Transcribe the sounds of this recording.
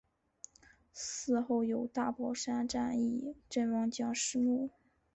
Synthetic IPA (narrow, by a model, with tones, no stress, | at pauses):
sɹ̩˥˧xo˥˩ʊjo˨˩ʊt̪a˥˩pwɔ˥ʂa˥nʈ͡ʂa˥˧ni˥˩ʈ͡ʂə˥˩nwɑ˥ŋt͡ɕjɑ˥ŋʂɻ̩˥mu˥˩